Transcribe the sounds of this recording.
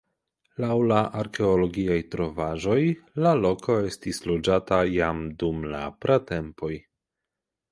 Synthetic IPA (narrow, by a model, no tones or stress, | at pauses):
lawlaʔaɾke̞olo̞ɡiajtɾo̞vaʒo̞jlalo̞kʰo̞e̞stislod͡ʒatajamdumla̰pɾate̞mpo̞j